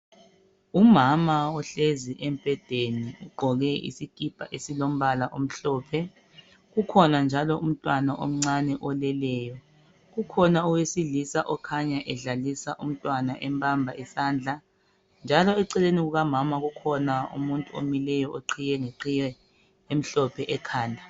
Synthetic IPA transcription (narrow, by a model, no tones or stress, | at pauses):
umamaɔɬeziʔɛmpʼɛd̥ʱeniuɡ͡ǃʱɔɣɛḭsikʼipʼa̰ʔesilom̩βalaʔom̩ɬɔːpʰɛ | ɣukʰɔnand͡ʒʱalɔʔum̩tʼwanaʔo̰m̩ŋ͡ǀanɛʔɔlɛlɛːjɔ | ɣukʰɔnauwesilisaʔɔkʰaɲaʔɛɮalisaʔum̩tʼwanaʔɛmbʰʱʼambʱaʔɛsaːnd͡ɮʱa | nd͡ʒʱalɔɛǀɛleniɣuɣamamaɣukʰɔnaṵmuntʼuo̰milɛjɔoǀʰijɛŋeǀijɛ | em̩ɬɔpʰɛʔɛkʰaːndʱa